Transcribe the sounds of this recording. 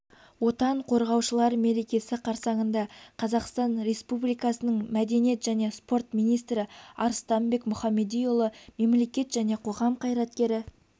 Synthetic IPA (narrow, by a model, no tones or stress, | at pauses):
wo̞t̪ɑɴqʰo̞ɾʁɑwʃəlˠɑɾme̞ɾe̞kʲe̞sɪqʰɑɾsɑɴənd̪ɑqʰɑzɑqst̪ɑnɾe̞spublijkɑsənəɴmæd̪e̞nije̞t̪ʒæne̞spo̞rt̪mijnijst̪ɾɪɑɾst̪ɑmbe̞kmʊχɑmːe̞d̪ijolˠəme̞mle̞kʲe̞t̪ʒæne̞qʰo̞ʁɑmqʰɑjɾɑt̪kʲe̞ɾɪ